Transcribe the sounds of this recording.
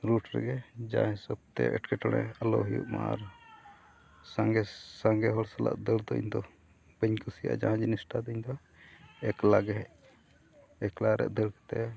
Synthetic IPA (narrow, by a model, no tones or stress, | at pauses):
ɾuʈɾɛ̰ɡɛd͡ʒaɦɛ̃səb̚t̪ɛ̰ʔɛʈkɛʈɔɽ̃ɛ̰alɔ̰ɦujṵʔma̰ʔa̰ɾ | saŋɡɛsaŋɡɛɦɔɽsala̰ʔd̪əɾd̪ɔḭɲd̪ɔ | bəɲkusija̰ʔd͡ʒaɦãd͡ʒinisʈad̪ɔiɲd̪ɔ | ɛklaɡɛ | ɛklaɾɛ̰ʔd̪əɽkɛ̥t̪ɛ